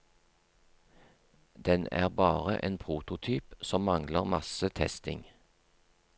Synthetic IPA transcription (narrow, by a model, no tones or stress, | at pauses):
d̪ɛnæ̰ːʁbɑːʁə̰ʔeːnpʰʁuːt̪ʊt̪ʰyːpsɔmmɑŋləʁmɑsət̪ʰɛst̪ɪ̰ŋ